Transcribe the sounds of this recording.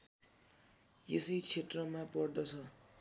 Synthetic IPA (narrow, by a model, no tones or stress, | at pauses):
jesʌjt͡sʰetrʌmapʌrd̪ʌt͡sʰʌ